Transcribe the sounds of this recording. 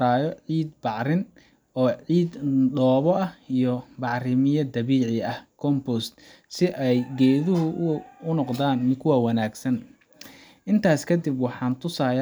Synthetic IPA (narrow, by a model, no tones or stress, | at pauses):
ɾaːjɔʕiːd̪̚bɑʕɾɪn | ɔːʕiːd̪ɖɔːβɔɐhijɞbɑʕrɪmɪjɐd̪ɐβiːʕɪɐhkʰɔmbɔst̪ | sɪʔɛjɡɛːðʊɦʊʊnɔqd̪aːnmɪkʰʊwawɑnaːɡsɐn | ʔɪnt̪ʰaːskʰɐd̪ɪbwɑħɑːnt̪ʰʊsaːj